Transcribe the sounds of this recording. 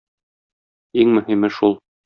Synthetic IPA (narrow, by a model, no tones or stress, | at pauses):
iŋmɵ̆himɘʃulˠ